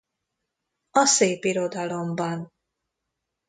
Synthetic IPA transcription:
ɒseːpiɾo̞d̪ɒlo̞mbɒn

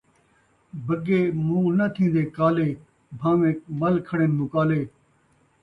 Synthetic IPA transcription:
bʱəɡeːmũːnɐt̪ʰĩːnd̪eːkaːleː | bʱãːʋẽːmɐlkʰəɽeːnmũːkaːleː

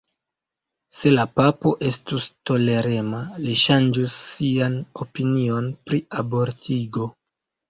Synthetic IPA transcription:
se̞lapapo̞ʔe̞stusto̞le̞ɾe̞maliʃand͡ʒusːiano̞pinio̞npɾiabo̞ɾtʰiɡo̞

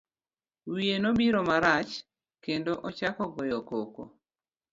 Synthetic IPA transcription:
wienobiɾomaɾat͡ʃ | kendoʔɔt͡ʃakɔɡɔjɔkoko̰

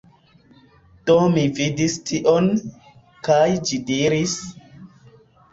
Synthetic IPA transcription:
d̥omividistʰiʔon | kajd͡ʒidiɾis

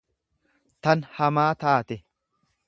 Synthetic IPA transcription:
t̪ɐnhɐmaːt̪aːt̪ɛ

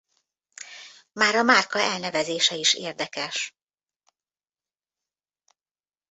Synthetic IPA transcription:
maːɾɒmaːrkɒɛlnɛvɛzeːʃɛiʃeːrd̪ɛkɛʃ

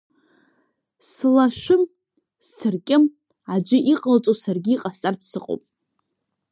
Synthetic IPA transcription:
slaʃʷᶣʊm | st͡sʰɨrkʲʼɪm | ad͡ʒʷɪʔiqʼalt͡sʼosarɡʲiːqʼast͡sʼarpʰsɨqʼo̰wpʼ

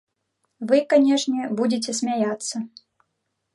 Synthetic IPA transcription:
vɨkanʲɛʂnʲɛbud͡zʲɪt͡sʲɛsʲmʲajat̪sːɐ

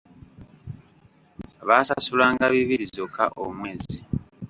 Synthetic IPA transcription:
βaːsasulaːŋɡaβiβiɾizokːa̰ʔo̰mwe̞ːzi

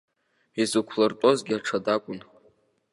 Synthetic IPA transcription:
izɨkʷʰlartʼo̞zɡʲɪaʈ͡ʂʰadakʷʼʊn

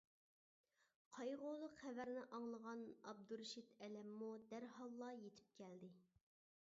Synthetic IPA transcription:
qʰɑjʁolˠːʊqχævæɾnɪʔɑŋlˠəʁɑnɑb̚d̪uɾʃit̪ɛlɛmːud̪æɾɦɑlˠːɑjet̪ʰɪ̥p̚kʲʰæld̪ɪ

